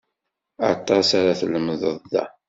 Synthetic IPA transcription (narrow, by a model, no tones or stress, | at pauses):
ɑt̪ˤɑsaɾaθləmðəðˤðæ̰